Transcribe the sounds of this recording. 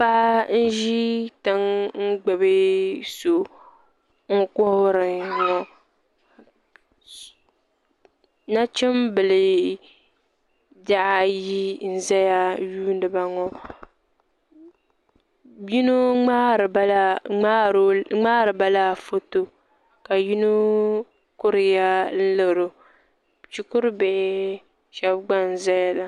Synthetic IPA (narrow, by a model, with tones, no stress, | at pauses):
pa˦ʔn̩˦ʒi˦tɨ˦ŋŋ͡m̩˦ɡ͡bɨ˨bɨ˦so˨ | ŋ̩˦kɔ˦hɾɨ˨ŋɔ˨ | na˦t͡ʃɛ˦mbɨ˨lɨ˨ | da˦ʔa˦ji˦n̩˨za˦ja˦juː˦n˦ɨ˨ba˨ŋɔ˦ | ji˦no˦˨˦ | ŋ͡maː˦ɾɨ˨ba˦la˦fo˦to˦ | ka˨ji˦nu˦ | kʊ˦ɾɪ˨ja˦n̩˦lɨ˨ɾo˨ | t͡ʃi˦kʊ˦ɾbɛ˦˨˦ | ʃɛ˦bɡ͡ba˦n˨za˦ja˦la˨